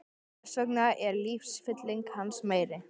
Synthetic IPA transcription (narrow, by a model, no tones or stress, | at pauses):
sœknaʔɛɾlifsfɪt̪lɪŋkhansmeːjɾɪ